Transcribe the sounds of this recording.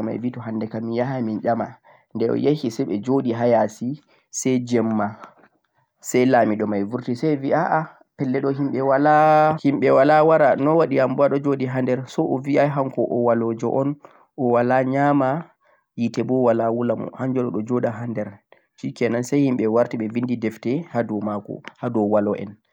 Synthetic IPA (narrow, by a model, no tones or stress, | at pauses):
ɔma̰jvitɔɦandɛkamːijaɦaminɗama̰ | ndɛɔ̰jehisɛɓɛd͡ʒoɗiɦajasi | sɛjd͡ʒɛmːa | sɛjlamiɗɔmajvuɾtisɛjviʔaʔa | pɛlːɛɗɔɦimɓɛwalahimɓɛwalawaɾanɔwaɗiambuaɗɔd͡ʒoɗiɦandɛɾsɔʔɔviʔaɦaŋkɔʔɔwalɔd͡ʒɔ̰ʔɔn | ʔɔwalaɲama | jitɛbɔwalawulamɔ̰hand͡ʒɔɗɔɗɔd͡ʒɔɗaɦandɛɾ | t͡ʃikɛnansajhimɓɛwaɾtiɓɛvindidɛftɛhadɔmakɔ̰hadɔwalɔʔɛ̰n